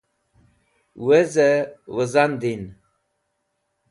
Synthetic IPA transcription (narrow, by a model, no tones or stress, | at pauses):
wezəwəzand̪in